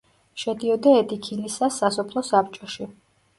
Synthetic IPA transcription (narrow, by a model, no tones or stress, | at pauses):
ʃɛd̪iɔd̪aɛt̪ʰʼikʰilisasasɔpʰlˠɔsap̚t͡ʃʼɔʃi